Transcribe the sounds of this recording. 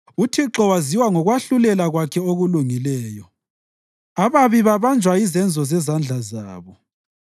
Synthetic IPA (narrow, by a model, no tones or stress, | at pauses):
utʰiǁɔwaziwaŋɔɣwaɬulɛlaɣwakʰɛoɣuluŋilɛːjɔ | aβaβiβaβand͡ʒʱwaizɛnd͡zʱɔzɛzand͡ɮʱaza̰ːβɔ